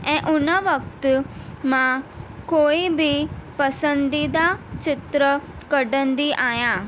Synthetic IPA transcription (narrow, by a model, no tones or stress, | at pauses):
ɛ̃ːʔʊnəʋɐk̚t̪mãkoːibʱipɐsə̃nd̪id̪at͡ɕɪt̪ɾə | kɐɖə̃nd̪iʔaːjãː